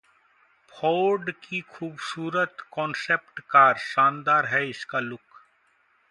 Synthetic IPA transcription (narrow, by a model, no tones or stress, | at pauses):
pʰɔːɾɖkikʰuːbsuːɾət̪kɔ̃ːnseːpʈkaːɾʃaːnd̪aːɾɦɛɪskalʊk